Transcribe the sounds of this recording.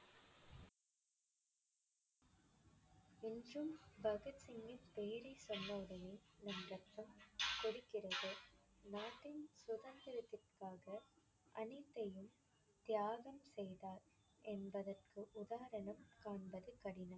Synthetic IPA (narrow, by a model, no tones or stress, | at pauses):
ɪndrɯmbɐɣɐtsɪŋɡɪnpejɾɐɪsɔnːɐʊɽɐnɐnɐmɾɐt̪ːɐmkɔrɪkːɪrɐðɯ | naːʈːɪnsʊðɐnd̪ɪɾɐt̪ːɪrkaːɣɐ | ʔɐnɪt̪ːɐjɯm | t̪jaːɣɐmsɛjðaːɾ | ʔɛnbɐðɐrkɯʔʊðaːɾɐnɐmkaːɳbɐðɯkɐɽɪnɐm